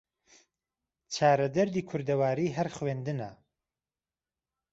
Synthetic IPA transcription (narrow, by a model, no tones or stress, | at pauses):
t͡ʃʰaːɾɐd̪ɐɾd̪iːkʰʊɾd̪ɐwaːɾiːɦɐɾxweːnd̪ɨnɐ